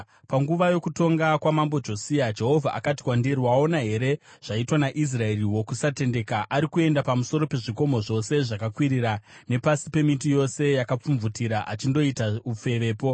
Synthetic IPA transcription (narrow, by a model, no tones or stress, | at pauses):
paŋɡuʋajo̞kuto̞ŋɡakwamambod͡ʒo̞siad͡ʒe̞ɦo̞vʱa̰ʔa̰kati̥kwandiriwao̞naɦe̞ɾe̞ʐ̥aitwanaʔis̬rae̞riwo̞kusate̞nde̞ːkaʔaɾikue̞ndapamuso̞ɾo̞pe̞ʐiko̞mo̞ʐo̞se̞ʐakakwiɾiɾane̞pasipe̞mitijo̞se̞jakap͡fuɱvutiɾaʔat͡ʃindo̞itaup͡fe̞ʋe̞ːpo̞